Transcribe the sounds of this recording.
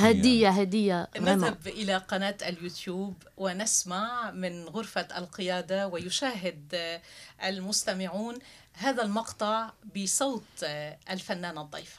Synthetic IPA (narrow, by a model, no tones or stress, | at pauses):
had̪ɪjːaɦad̪ɪjːanaabʔɪlaqɑnaːt̪ʔaljuːt̪juːb | wɪnɪsmaʕmɪnɣʊɾfaalqɪjaːd̪awɪjʊʃaːɦɪd̪ | ʔalmʊst̪amɪʕuːn | ɦaːðalmɑqt̪ˤɑʕbɪsˤɑːt̪ˤʔalfanːaːnɨd̪ˤːijfḁ